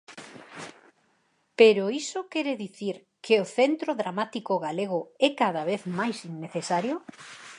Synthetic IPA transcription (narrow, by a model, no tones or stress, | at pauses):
peɾoisokɛɾeðiθiɾ | kʰeoθent̪ɾoðɾamat̪ikoɣaleɣ̞ʊɛkað̞aβ̞eθmajsinːeθesaɾjo